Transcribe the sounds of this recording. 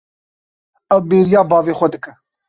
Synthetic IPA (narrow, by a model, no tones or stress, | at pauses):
ɐwbeːɾijaːbɑːveːxʷɐd̪ɨkɐ